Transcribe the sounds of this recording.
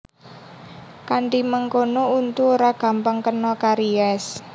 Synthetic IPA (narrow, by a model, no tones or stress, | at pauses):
kaɳʈiməŋkonount̪uoɾaɡ̥ä̤mpaŋkənɔkaɾiɛs